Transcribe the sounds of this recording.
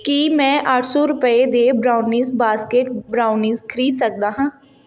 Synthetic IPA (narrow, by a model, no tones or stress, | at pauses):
kimɛ̃ːʔəʈʰsɔːɾʊpəed̪eːbɾaːʊnĩːsbaːskeːʈbɾaːʊniːzkʰəɾiːd̪sək̚d̪aːɦãː